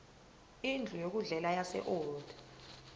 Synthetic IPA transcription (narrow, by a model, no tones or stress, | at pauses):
ind͡ɮʱujok̬uɮɛlajasɛ̰ʔɔːd̥ʱḁ